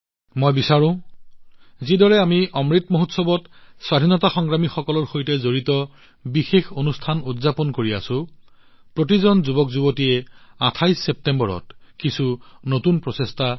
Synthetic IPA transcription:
mojbisaɹʊ̃ | zidɔɹɛamiʔɔmɹitmoɦutsɔbɔtswadʱinɔtaxɔŋɡɹamixɔkɔlɔɹxojtɛzoɹitɔ | bixexonustʰanudzapɔnkoɹia̰sʊ̃ | pɹotizɔnzubɔkzubotijɛatʰajsep̚tembɔɹɔ̰tkisunotunpɹɔsesta

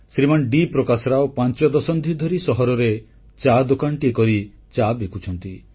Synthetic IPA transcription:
sɾimanɖipɾɔkasɔɾaopant͡ʃɔd̪ɔsɔnd̪ʱid̪ʱɔɾisɔɦɔɾɔɾe | t͡ʃad̪okanʈikɔɾi | t͡ʃabekʰut͡ʃʰɔnt̪i

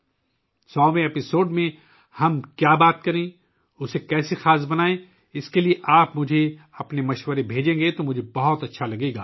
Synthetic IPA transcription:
sɔːʋẽɛpɪsoːɖmẽ | hɐmkjaːbaːt̪̚kɐɾẽː | ʊsekɛːsexaːsbɐnaːẽ | ɪskelieʔaːpmʊd͡ʒʱe | ɐpnemɐʃwəɾebʱeːd͡ʒẽːŋɡet̪omʊd͡ʒʱebɐɦʊt̪ɐtːʃʰalɐɡeːɡaː

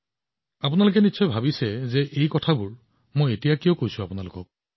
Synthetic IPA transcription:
apʊnalʊk̬ɛnisɔjbʱabisɛzɛʔejkɔtʰabʊɹ | mojetijakijokojsʊ̃apʊnalʊkɔ̰k̚

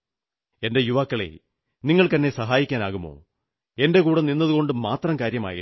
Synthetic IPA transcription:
e̞nde̞juʋaːkːɐɭḛ | niŋːɐɭkt̪ɐnːe̞sɐɦaːjikʲːaːnaːɣumːo̞̰ː | e̞nde̞kuːɽɐninːɐðuɣo̞ɳɖɨmaːt̪rɐmkaːɾjɐma̰ːjḭ

